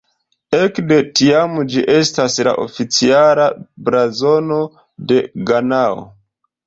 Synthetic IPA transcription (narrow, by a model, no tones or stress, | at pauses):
e̞kde̞tiamd͡ʒiʔe̞stasla̰ʔo̞̰fit͡sialabɾazo̞no̞ | de̞ɡanao̰